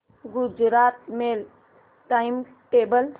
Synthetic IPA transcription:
ɡud͡ʒɾat̪mel | ʈajm | ʈebəl

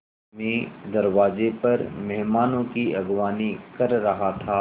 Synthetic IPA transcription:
mẽːd̪ɐɾwaːzepɐɾmɛɦmaːnõkiɐɡʋaːnikɐɾːɐɦat̪ʰaː

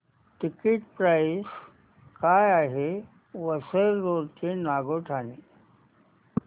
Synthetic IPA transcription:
ʈikiʈpɾais | kaːjaɦe | ʋəsəɾɾoːɾt͡ɕenaɡoʈʰani

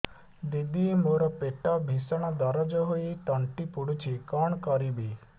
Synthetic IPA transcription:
d̪id̪iemoɾɔpeʈɔbʱisɔɽ̃ɔd̪ɔɾɔd͡ʒɔɦoit̪ɔɳʈipuɽut͡ʃʰikɔɳ̃kɔɾibi

